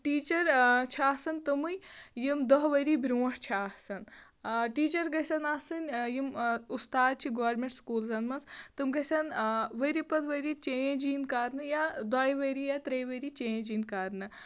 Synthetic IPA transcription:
ʈiːt͡ʃɐɾt͡ʃʰaːsɐnt̪ɨmɨjjimd̪ɐɦʋɐɾibɾʲuːɐʂt͡ʃʰaːsɐn | ʈiːt͡ʃɐɾɡɐsɐnaːsɨnjimust̪aːd̪̚t͡ʃʰiɡoːɾmẽɳʈskuːlzɐnmɐnzt̪ɨmɡɐsɐnʋɐɾipɐt̪ʰʋɐɾit͡ʃejẽd͡ʒiːnkaːɾnɨjad̪aːjʋɐɾijat̪ɾɐjʋɐɾit͡ʃejẽd͡ʒiːnkaːɾnɨ

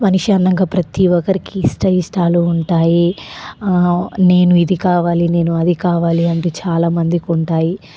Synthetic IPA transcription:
mɐniʂɐnːɐŋɡaːpɾɐt̪iʋɔkɐɾikiːsʈɐisʈaːluuɳʈaːji | ne̞ːnuid̪ikaːʋaːline̞ːnuɐd̪ikaːʋaːliɐɳʈuːt͡ʃaːlaːmɐnd̪ikuɳʈaːji

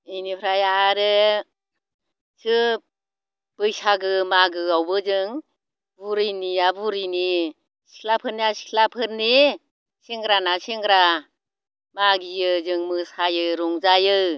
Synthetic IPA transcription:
ɯjnipʰɾajaːɾɯ | sɯ | b̥ɯjsaɡɯmaɡɯawbɯzɯŋ | buɾɯjniabuɾɯjni | si̥kʰlapʰɯɾniasi̥kʰlapʰɯɾni | seŋɡɾanaseŋɡɾa | maɡijɯzɯŋmɯsajɯɾɔŋzajɯ

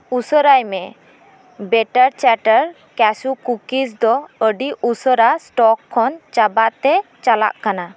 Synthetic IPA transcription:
usəɾajmɛ | bɛʈaɾt͡ʃaʈəɾ | kɛsukukisd̪ɔəɖiʔusəɾasʈɔkʰːɔnt͡ʃabaʔt̪ɛt͡ʃala̰ʔkana

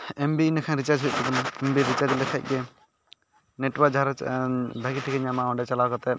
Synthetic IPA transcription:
ɛmbiːnakʰanɾit͡ʃad͡ʒɦuc̚k̪ɔd̪ɔnaɛmbiɾit͡ʃaɾd͡ʒlɛkʰa̰c̚ˀɡɛ | neʈwaɾd͡ʒʱaɾbʱaɡiʈʰikɛɲamaɔɳɖɛt͡ʃalawkɔt̪ɛ

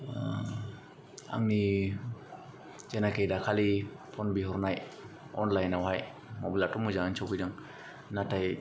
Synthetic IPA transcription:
a̰ŋni | zɛnakejdakʰali | pʰɔnbiɦɔɾnaj | ɔnlajnawɦaj | mɔbilatɔmuzaŋant͡ʃʰɔbidaŋ | nataj

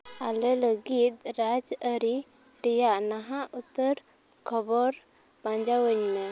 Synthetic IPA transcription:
alɛləɡit̪̚ɾad͡ʒəɾi | ɾijaʔnaɦaʔut̪əɾ | kʰɔbɔɾ | b̥ãɲd͡ʒawəɲmɛ

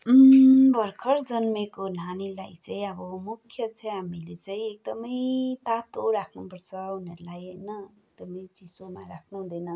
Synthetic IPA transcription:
bʱʌrkʰʌɾd͡zʌnmekon̤anila̰jt͡saĩʌbʌmukʰjʌt͡sʰʌɦamilet͡saĩek̚d̪ʌmʌjt̪at̪oɾakʰnupʌɾt͡sʰʌuneɾulajnʌek̚d̪ʌmʌjt͡sisomaɾakʰnuɦũd̪enʌ

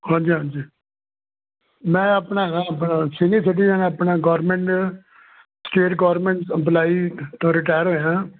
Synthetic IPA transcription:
hãːnd͡ʒiːɦãːnd͡ʒiː | mɛ̃ːəpnaːãəpnaːsiniːsɪʈ̬iːzənəpɳaːɡɔːɾmɛ̃ɳʈ | sʈeːʈɡɔːɾmẽɳʈsəplaːit̪õːɾɪʈaːjəɾɦoːjãː

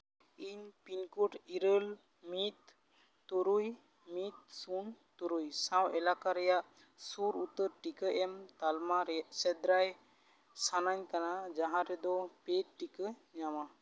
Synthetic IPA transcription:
iɲpinkuʈʰiɾəl | mit̪ː | ɔɾuj | mit̪̚sunt̪uɾujsawɛlakaɾɛjaʔ | suɾut̪ːəɾʈikəʔɛmt̪almaɾɛaʔsɛd̪ɾaj | sanaɲkanad͡ʒaɦãɾɛd̪ɔpet̚ʈikəɲama

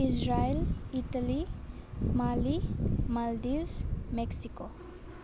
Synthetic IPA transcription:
isɾajlitali | malimaldiwzmeksiko

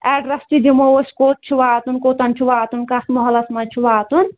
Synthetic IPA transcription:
ɛːɖɾɐst͡ʃid͡ʒimoosʲkoːt̪̚t͡ʃʰuʋaːt̪unkoːt̪ɐnt͡ʃʰuʋaːt̪unkɐst̪mɔɦɔlɐsmɐt͡ʃʰuʋaːt̪un

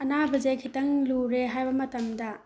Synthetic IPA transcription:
ɐnabɐzekʰitɐŋluɾeɦajbɐmɐtɐmdɐ

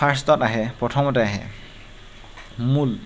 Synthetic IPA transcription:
aɹs̬tɔtaɦɛpɹɔtʰɔmɔtɛaɦɛ̰ | mul

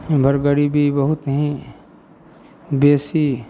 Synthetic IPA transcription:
bʱɐɾɡəɽibʱibɐɦʊt̪nəɦĩ | beːsi

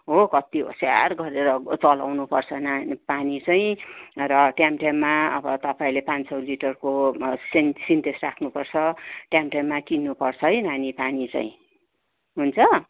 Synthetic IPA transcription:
ɦokʌt̪io̰sa̰rɡʌɾeɾʌt͡sʌlawnupʌrt͡sʰʌnapanit͡saĩrʌʈjamʈjamːaʌbʌt̪ʌpaĩlepãnsʌwliʈʌrkosensint̪esrakʰnupʌrt͡sʰʌʈjamʈjamːakinːupʌrt͡sʰʌjnanipanit͡sa̰ĩ | ɦunt͡sʰʌ

